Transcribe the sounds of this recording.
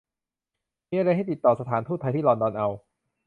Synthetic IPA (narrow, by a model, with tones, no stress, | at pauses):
miː˧˥ʔa˧ɾa˧jɦa˥˩jt̪i˨˩t̪ːɔː˨˩sa˧t̪ʰaː˩˦nt̪ʰu˥˩t̪ʰa˧jt̪iː˥˩lɔː˧ndɔː˧nʔa˧w